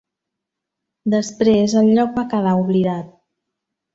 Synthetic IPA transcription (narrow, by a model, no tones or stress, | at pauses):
d̪əspɾezəlʎɔk̚bakəðauβliðat̪̚